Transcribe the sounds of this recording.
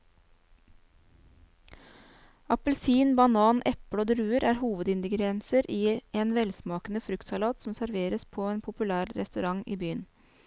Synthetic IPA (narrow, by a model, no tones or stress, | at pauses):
ɑpəlsiːnbɑnɑːnʔɛpɽoːd̪ɾʉːəɾæːɾhuːʋəd̪ɪnd̪əɡɾɛnsəɾiːeːnʋɛlsmɑːkənəfɾʉkt̪sɑlɑːt̪sɔmsæɾʋeːɾəspʰoːeːnpʰʊpʉlæːɾɾɛ̰st̪ʉɾɑŋḭːbyːən